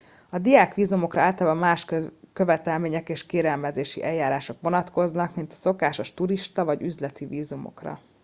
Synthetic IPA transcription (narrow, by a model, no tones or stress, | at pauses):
ɒd̪ijaːkʋiːzumo̞krɒaːlt̪ɒlabɒmaːʃkøvɛt̪ɛlmeːɲɛkeːʃkeːɾɛlmɛzeːʃḭʔɛjaːɾaːʃo̞kʋo̞nɒt̪ko̞znɒkmint̪ɒ̥so̞kaːʃo̞ʃt̪uɾiʃt̪ɒvɒɟyzlɛt̪iviːzumo̞̰krɒ̰